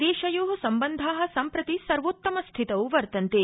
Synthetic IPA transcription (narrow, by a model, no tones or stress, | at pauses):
d̪eːʃɐjoːɦusɐmbɐnd̪ʱaːɦɐ̆sɐmpɾɐt̪isɐɾʋot̪ːɐmɐst̪ʰit̪ɐwuʋɐɾt̪ɐnt̪e